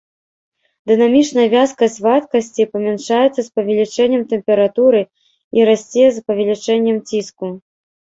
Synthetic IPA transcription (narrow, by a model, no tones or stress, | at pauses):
d̪ɨnamʲit͡ʂnɐjɐvʲaskɐsʲvat̪kɐsʲt͡sʲipɐmʲɛnʂajɛt̪sːɐspɐvʲɛlʲit͡ʂɛnʲːɛmt̪ɛmpʲɛɾat̪uɾɨ | iɾasʲt͡sʲejɛzpɐvʲɛlʲit͡ʂɛnʲːɛmt͡sʲisku